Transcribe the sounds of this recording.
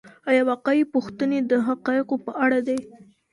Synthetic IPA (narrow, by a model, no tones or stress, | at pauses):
ajawaqɑipuxt̪əned̪əɦaqɑɪqopəʔaɽad̪ej